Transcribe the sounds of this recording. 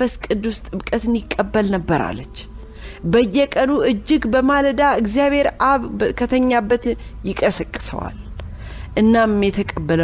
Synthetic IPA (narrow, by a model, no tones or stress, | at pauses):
fəskʼɨd̪ust̪ʼɨβkʼət̪ɨnjɪkʼːəbːəlnəbːəɾa̰lːət͡ʃː | bəjːɛkʼənuʔɨd͡ʒːɪɡbəmaləd̪aɨɡzijaβhe̞ɾaβkʰət̪ʰəɲːabːət̪jɪkʼəsəkʼːɨ̥sə̰wa̰l | ʔɨnːammjɛt̪ʰəkʼəbːələ